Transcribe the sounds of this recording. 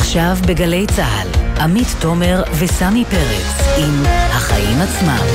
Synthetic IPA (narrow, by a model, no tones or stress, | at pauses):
χʃavbeɡale̞jt͡saɦa̰lʔamitːo̞me̞ʁvesanipeʁesimhaχaʔimat͡sma̰m